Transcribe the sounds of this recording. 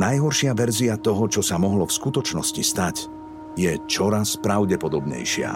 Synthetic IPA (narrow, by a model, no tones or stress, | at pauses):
najɦɔɾʃɪaʋɛɾziat̪ɔɦɔt͡ʃɔsamɔɦlɔfskut̪ɔt͡ʃnɔscist̪ac | jɛt͡ʃɔɾaspɾaʊɟɛpɔd̪ɔbɲɛ̰jʃɪa̰